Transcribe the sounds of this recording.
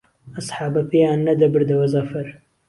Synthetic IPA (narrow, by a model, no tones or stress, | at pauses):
ɐsˤħɑːbɐpʰejaːnːɐd̪ɐbɨɾd̪ɐwɐzɐfɐɾ